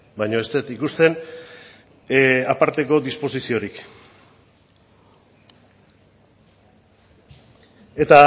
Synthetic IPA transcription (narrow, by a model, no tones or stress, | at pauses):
bajɲo̞e̞st̪e̞t̪ikust̪e̞n | apaɾt̪e̞ko̞d̪ispo̞sisio̞ɾik | e̞t̪a